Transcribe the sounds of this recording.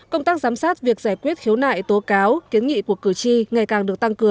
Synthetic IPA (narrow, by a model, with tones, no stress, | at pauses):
kə˧wŋ͡mt̪aː˦˥k̚zaː˨˦msaː˦˥t̚vi˨˩ək̚zaː˧˩jkwi˦˥ət̚hi˨˦əwna̰ː˧˨jt̪o˨˦kaː˨˦wki˨˦ənŋḭ˧˨ku˧˩əkɨ˧˩t͡ɕi˧ŋa˨˩jkaː˨˩ŋɗɨ˨˩ək̚t̪a˧ŋkɨ˨˩əŋ